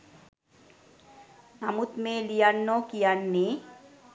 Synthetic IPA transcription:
namut̪melijanːɔkijanːe

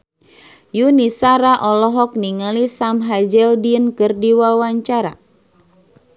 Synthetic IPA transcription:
junisaɾaʔɔlɔɦɔk̚niŋalisamɦad͡ʒɛldinkɨrdiwawaɲt͡ʃaɾa̰

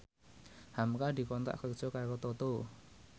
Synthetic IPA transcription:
hamkad̪i̤kɔnt̪a̰ʔkəkʒ̥ɔkakot̪ot̪o

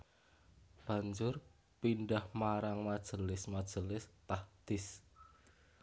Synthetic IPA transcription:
b̥ä̤ɲd͡ʒʊr | pinɖahmaɾaŋmad̥ʒ̥əlɪsmad̥ʒ̥əlɪst̪ahd̪̥ɪs

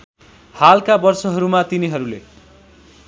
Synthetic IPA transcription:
halkabʌrsʌɦʌɾumat̪iniɦʌɾule

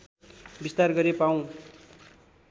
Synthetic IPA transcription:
bist̪arɡʌɾepaw̃

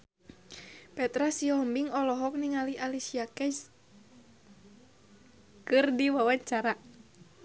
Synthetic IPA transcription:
pɛt̪ɾasiɔmbiŋɔlɔɦɔk̚niŋaliʔalisiakɛd͡ʒ | kɨrdiwawaɲt͡ʃaɾa

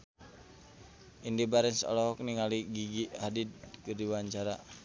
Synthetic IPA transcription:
indibaɾɛnsɔ̰lɔɦɔk̚niŋaliɡiɡiadid̪̚kɨrdiwaɲt͡ʃaɾa

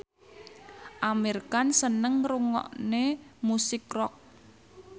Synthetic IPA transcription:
ʔamirkansənəŋruŋɔ̰ʔnemusɪkrɔk̚

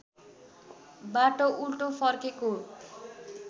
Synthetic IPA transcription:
baʈoʔulʈofʰʌrkeko

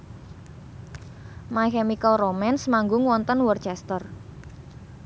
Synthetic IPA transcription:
makɛmikəlromɛnsmaŋɡʊŋwɔnt̪ənwərt͡ʃɛst̪ər

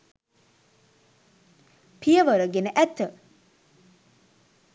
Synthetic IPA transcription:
pʰijəʋəɾəɡenəʔæt̪ːə

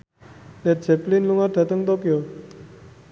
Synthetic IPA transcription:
dɛt̚d͡ʒɛplinluŋarɖ̥̪ä̤t̪əŋt̪okijo

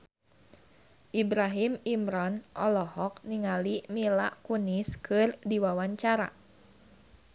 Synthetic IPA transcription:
ʔibɾaɦimimɾɔnʔɔlɔɦɔk̚niŋalimila̰ʔkuniskʰɨrdiwawaɲt͡ʃaɾa̰

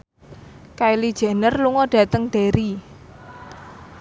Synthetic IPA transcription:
kailid̥ʒ̥e̤nərluŋɔɖ̥ä̤t̪əŋd̪̥eɾi

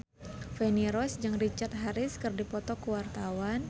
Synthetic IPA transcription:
fɛniɾɔsd͡ʒɨŋrit͡ʃart̪̚ɦaɾɪskɨrdipɔt̪ɔkuwart̪awan

